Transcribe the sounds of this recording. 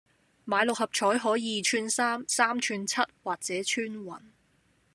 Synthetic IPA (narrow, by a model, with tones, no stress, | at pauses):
maː˨˧jlʊ˨k̚hɐ˨p̚t͡ʃʰɔː˨˥jɦɔː˨˥jiː˨˧t͡ʃʰyː˥nsaː˥msaː˥mt͡ʃʰyː˧nt͡sʰɐ˥t̚waː˨k̚t͡sɛː˨˥t͡ʃʰyː˥nwɐ̰˨˩n